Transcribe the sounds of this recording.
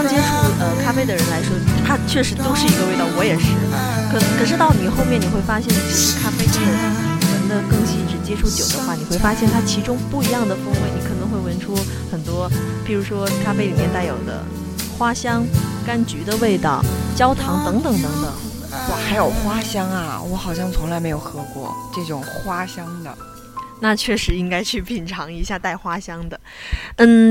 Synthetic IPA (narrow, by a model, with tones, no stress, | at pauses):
ɑ˥ŋt͡ɕjɛ˥ʈ͡ʂʰu˥˩ə˧kʰa˥pe˥˩ɪd̪ə˩ɻə˧˥nla˧˥ɪʂwɔ˥t̪ʰa˥t͡ɕʰɥɛ˥˩ʂɻ̩˧˥t̪o˥ʊʂɻ̩˥˩i˧˥ɡə˧we˥˧ɪt̪ɑ˥˩ʊwɔ˧˥jɛ˨˩ʂɻ̩˥˩ | kʰɤ˨˩nɤ˧˥ŋkʰɤ˨˩ʂɻ̩˥˧t̪ɑ˥˩ʊni˨˩xo˥˧ʊmjɛ˥˩ni˨˩xwe˥˩ɪfa˥ɕjɛ˥˧nʈ͡ʂ̩˥˩˥kʰa˥pe˥˩ɪə˥˩˨ə˧˥nd̪ə˧kɤ˥˧ŋɕi˥˩ʂɻ̩˥˩t͡ɕjɛ˥ʈ͡ʂʰu˥˩t͡ɕjo˨˩ʊd̪ə˦xwa˥˩ni˨˩xwe˥˩ɪfa˥ɕjɛ˥˩nt̪ʰa˥t͡ɕʰi˧˥ʈ͡ʂʊ˥ŋpu˥˩i˧˥jɑ˥˩ŋd̪ə˩fɤ˥ŋwe˧˥ɪni˧˥kʰɤ˨˩nɤ˧˥ŋxwe˥˩ɪwə˧˥nʈ͡ʂʰu˥ | xə˨˩nt̪wɔ˥pi˨˩ɻu˧˥ʂwɔ˥ʈ͡ʂʰa˥pe˥˩ɪli˨˩mjɛ˥˧nt̪a˥˩ɪjo˨˩ʊd̪ə̰˦ | xwa˥ɕjɑ˥ŋka˥nt͡ɕy˧˥d̪ə˧we˥˧ɪt̪ɑ˥˩ʊt͡ɕjɑ˥ʊt̪ʰɑ˧˥ŋt̪ɤ˧˥ŋt̪ɤ˨˩˦ŋt̪ɤ˧˥ŋt̪ɤ̰˨˩˦ŋ | wɔ˨˩xa˧˥ɪjo˨˩ʊxwa˥ɕjɑ˥ŋɐ̰˨wɔ˧˥xɑ˨˩ʊɕjɑ˥˩ŋt͡sʰʊ˧˥ŋla˧˥ɪme˧˥ɪjo˨˩ʊxɤ˧˥kwɔ̰˥˧˩ʈ͡ʂɤ˥˩ʈ͡ʂʊ˨˩˦ŋxwa˥ɕjɑ˥ŋd̪ə̰˨ | na˥˧t͡ɕʰɥɛ˥˩ʂɻ̩˧˥i˥ŋka˥ɪt͡ɕʰy˥˩pʰi˨˩nʈ͡ʂʰɑ˧˥ŋi˧˥ɕja˥˧t̪a˥˩ɪxwa˥ɕjɑ˥ŋd̪ə˨ | n̩˥˩